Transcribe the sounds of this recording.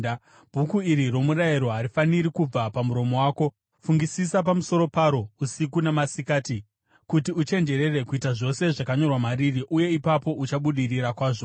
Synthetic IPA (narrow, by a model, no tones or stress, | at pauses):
b̥ʱukuiɾiro̞muɾaiɾo̞ɦaɾifaniɾikub͡vapamuɾo̞mo̞waːko̞ | fuŋɡisisapamuso̞ɾo̞paɾo̞usikunemasikaːti | kutiut͡ʃe̞nd͡ʒe̞ɾe̞re̞kuitaʐo̞se̞ʐakaɲo̞rwamaɾiriʔuje̞ipapo̞ʔut͡ʃaɓuɗiriɾakwaːʐo̞